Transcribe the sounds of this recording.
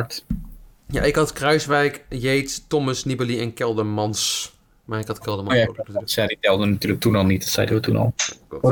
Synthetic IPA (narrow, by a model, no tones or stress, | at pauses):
t | ja̰ʔɪkɑtkrœɥsʋɛjkjejttɔməsnibəliɛnkɛlˠdəmɑns | maːɹɪkhɑtkɛlˠdəmjasaditɛlˠdənatyːɹlək̚tunɑlˠnitətsɛ̰jdəʋətunɑ̰lˠ